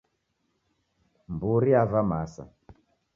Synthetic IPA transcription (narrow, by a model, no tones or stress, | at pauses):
mbuɾiavamasa̰